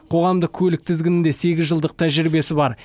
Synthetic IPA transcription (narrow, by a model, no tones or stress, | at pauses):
qʰo̞ʁɑmd̪əqkʲʰɵlɪk̚t̪ʰɪzɡʲɪnɪnd̪e̞se̞ɡʲɪzʒəlˠd̪əq̚t̪ʰæʒɪɾbe̞sɪbɑɾ